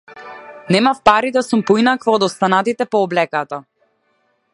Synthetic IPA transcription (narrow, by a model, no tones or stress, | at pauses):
nɛmafpaɾid̪asumpɔinakvɔːd̪ɔst̪anat̪it̪ɛpɔɔblɛkat̪a